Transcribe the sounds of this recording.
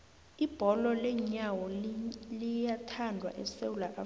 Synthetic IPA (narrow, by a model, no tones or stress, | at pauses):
ib̥ʱɔlɔlɛɲawɔllijatʰandʱwa̰ʔɛsewulaʔa